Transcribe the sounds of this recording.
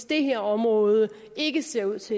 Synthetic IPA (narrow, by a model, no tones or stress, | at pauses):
sd̥e̝ɦeɐ̰ɒ̽mʁɔ̽ːð̞ˠə | e̝ɡ̥əse̝ɐ̰uð̰ˠt͡sʰe